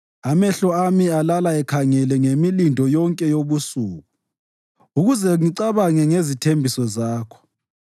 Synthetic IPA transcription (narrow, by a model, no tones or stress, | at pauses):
amɛɬɔamialalaɛkʰaŋɛlɛŋemilindʱɔjɔŋkʼɛjoβusuːɣu | uɣuzɛŋiǀaβaŋɛŋezitʰembʱisɔzaːkʰɔ̥